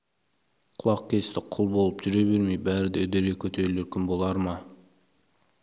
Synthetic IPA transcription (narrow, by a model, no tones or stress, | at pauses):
qʰʊlˠɑqkʲʰe̞st̪ɪqʰʊlˠbo̞lˠəpʒ̥ʏɾe̞beɾmejbæɾɪd̪eɵd̪eɾɡekʲʰɵt̪ʰe̞ɾɪleɾkʲʰʏmbo̞lˠɑɾmɑ